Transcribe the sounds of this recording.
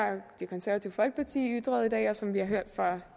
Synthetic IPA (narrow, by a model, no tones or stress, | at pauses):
ɑd̥ekʰɒ̽nsæɐʋæt͡sʰiːʊəfɒ̽lɡ̥əpʰɑt͡sʰḭːyd̥ʁɐð̩ˠid̥ɛ̰ːɒ̽sɒ̽mʋihɑ̈ɦøɐ̰d̥fʁɒ